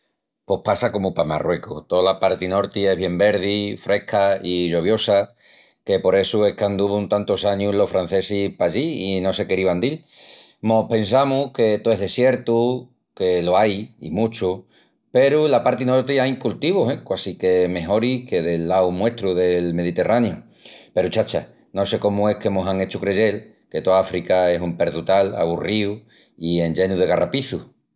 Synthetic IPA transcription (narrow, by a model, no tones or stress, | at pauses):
po̞hpasako̞mupama̰rwe̞ko̰t̪olapaɾt̪ino̞ɾt̪ie̞ɦβ̞je̞mbe̞ɾðifɾe̞kʰaiʎo̞β̞jo̞sa | ke̞po̞ɾe̞sue̞kand̪uβuunt̪ant̪osaɲulo̞fɾan̟θesipaʎiːno̞se̞keɾiβand̪il | mo̞pe̞nsamuke̞t̪oeɦðe̞sje̞ɾt̪u | ke̞loajḭmut͡ʃu | pe̞ɾulapaɾt̪inoot̪iaiŋkult̪iβoɦekwasike̞me̞ɦo̞ɾike̞ðe̞lːawmwe̞ht̪ɾuðe̞lme̞ð̞it̪e̞rʔanju | pe̞ɾut͡ʃat͡ʃa | no̞se̞ko̞mue̞hke̞moɦaŋe̞t͡ʃukɾeʝe̞l | ke̞t̪oafɾikae̞sumpe̞ɾðut̪ala̰β̞uriu | ie̞nd͡ʒe̞nuðeɣarʔapiθu